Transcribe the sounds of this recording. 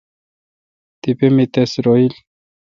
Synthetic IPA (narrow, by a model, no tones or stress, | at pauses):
t̪ipemit̪esɾoil